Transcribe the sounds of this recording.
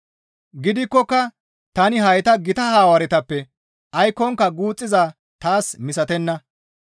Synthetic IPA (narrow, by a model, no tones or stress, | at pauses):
ɡɪd̪ɪkːɔkːɐ | t̪ɐnɪɦɐjt̪ɐɡɪt̪ɐhaːwɐɾɛt̪ɐpːɛ | ʔɐjkːɔŋkːɐɡuːt͡sʼːɪzaː | t̪aːsmɪsɐt̪ɛnːɐ